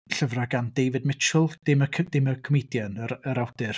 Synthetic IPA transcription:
ɬəvraɡandejvɨdmɪt͡ʃʰʊlˠd̥ɪməkʰdɪməkʰɔmejdjanəəɾawdɨr

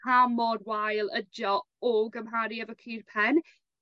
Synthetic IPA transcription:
amɔdwajlˠəd͡ʒɔ | ɔɡəmɦaːɾiəvəkʰiːrpʰɛn

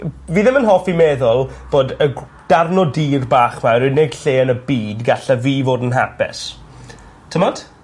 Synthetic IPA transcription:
viːðəmənɦɔfimɛːðʊlˠb̥oːdə | d̥arnɔdiːrbaːχmawɾɨneɡ̥ɬeːənəbiːdɡaɬaviːvoːdənɦapɪ̰s | tʰəmɔd̥

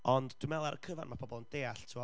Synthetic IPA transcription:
ɔndd̥wumɛlˠaɾʔəkʰəva̰nmapʰɔbɔlˠənd̥eːaɬtʰɪwɔ

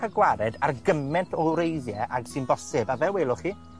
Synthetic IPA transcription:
aɡwaɾɛdarɡəmɛntʰɔɾejðjɛʔaɡ̥sɨnbɔsɨbavɛweːlˠʊχiː

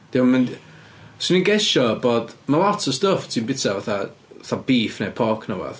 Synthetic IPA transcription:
d̥iman | siniɡɛʃɔbɔːd̥malˠɔtʰɔ̥stəftʰimbɪtʰavaθavaθabiːfnepʰɔkʰnəwɔ̰ð̥

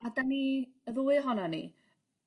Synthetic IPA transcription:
adaniəðuːɨɦɔnanḭ

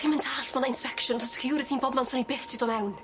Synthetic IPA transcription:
iməntʰaːɬtʰmanaɪnspɛkʃɔnɔstʰə̥kʰijuːɾɨtʰiːnbɔbmansʊnibɪθtʰidɔmɛwn

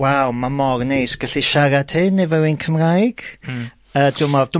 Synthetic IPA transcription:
wawmamɔrnejsɡ̥əɬiʃaɾad̥hɪnːɛvɛwinkʰəmrajɡ̥ | əːdʊmɔd̥ʊ

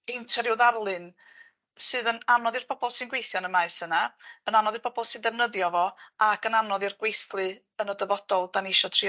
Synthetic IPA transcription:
ejntʰɛɾjuwðarlˠɨn | sɨːðənamnɔðɨrb̥ʰɔbɔlˠsɨnɡwejθjɔnəmaɨsənaənanɔðɨrb̥ʰɔbɔlˠsɨndɛvnəðjɔvɔakənamnɔðirɡ̥wejθlˠɨ | ənədəvɔd̥ɔlˠd̥anɪʃɔtʰri

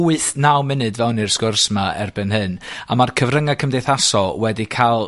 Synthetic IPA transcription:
wɨθnawmɪnɨdvɛwnirskʊrsmaɛ̰rbɨnɦɨnamarkʰəvrəŋakʰəmdejθasɔlˠwɛdikʰalˠ

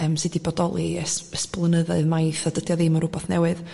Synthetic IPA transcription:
əmsɨdibɔdɔlˠisəsplˠənəðɔɨðmajθadədjɔðɪməɾʊbɔθnɛ̰wɨð

